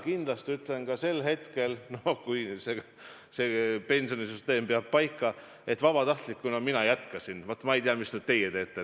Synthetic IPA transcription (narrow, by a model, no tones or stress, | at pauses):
kind̪̥lɑst̪yt̪ːˑle̞nkɑse̞lɦe̞t̪ke̞lnokujse | sepe̞nʲso̞nisyst̪e̞ːmpeɑb̥̚pɑjkˑːɑ | e̞t̪vɑb̥ɑt̪ɑht̪likːunɑminɑjæt̪kɑsinvot̪ːˑmɑejt̪iɑmisnyːd̪̥̚t̪e̞jet̪e̞ːt̪ːe